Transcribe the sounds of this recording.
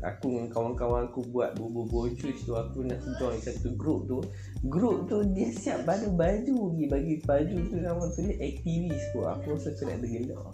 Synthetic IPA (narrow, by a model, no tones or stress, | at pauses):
a̰kuŋkawankawaŋakubuat̪̚bububɔt͡ʃust̪uakunaʔsədɔŋisat̪uɡɾup̚t̪u | ɡɾup̚t̪udiəsiap̚banəbad͡ʒuɡibaɡibad͡ʒut̪unawanp̪uləʔɛk̚t̪ivist̪ua̰kuasat̪una̰ʔdəɡəlɔ̰ʔ